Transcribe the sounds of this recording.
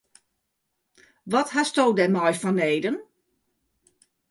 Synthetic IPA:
ʋɔthastowdɛmɔjfɔneːdən

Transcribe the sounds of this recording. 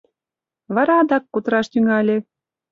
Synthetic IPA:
βɑɾɑd̪ɑkːut̪ɾɑʃt̪yŋɑlʲe

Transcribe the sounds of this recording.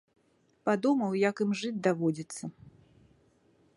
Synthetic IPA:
pad̪umɐwjakɨmʐɨd͡zʲd̪avɔd͡zʲit̪sːɐ

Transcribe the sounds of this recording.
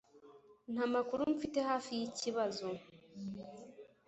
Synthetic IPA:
n̥amakuɾum̩fite̞ɦaːfijiciβazo̞

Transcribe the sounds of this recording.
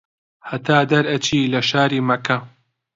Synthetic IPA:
hɐt̪ʰaːd̪ɐɾɐt͡ʃʰiːlɐʃaːɾiːmɐkɐ

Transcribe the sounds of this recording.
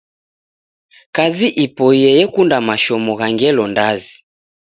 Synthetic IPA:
kaziʔipɔijɛjɛkundamaʃɔmɔɣaŋɡɛlɔndazi

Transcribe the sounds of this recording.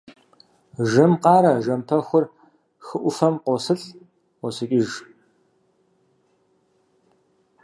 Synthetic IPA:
ʒɨmqɑːɾɐʒɐmpʰɐxʷʊr | xɨʔʷʊfɐmqʷɔsɨɬʷ | ɔsɨkʼɪʒ

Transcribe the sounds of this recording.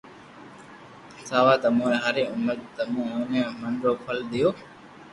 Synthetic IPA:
saːʋaːt̪əmũːeɦaːɾeːʊməɾdt̪əmũːɦũːnẽːməɳɾoːpʰəlɗ̪ɪjoː

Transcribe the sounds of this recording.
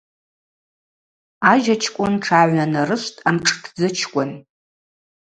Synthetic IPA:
aʒat͡ʃʰkʷʼʊnʈ͡ʂʰaʕʷanarɨʃʷtʼamʈ͡ʂʰʼtʰd͡zɨt͡ʃʰkʷʼʊn

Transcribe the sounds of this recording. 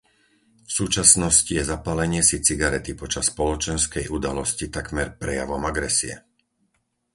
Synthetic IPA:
fsuːt͡ʃasnɔscijɛzapalɛɲɪɛsit͡siɡaɾɛt̪ipɔt͡ʃasːpɔlɔt͡ʃɛnskɛjʔud̪alɔscit̪akmɛɾpɾɛja̰ʋɔmaɡɾɛsiɛ̰

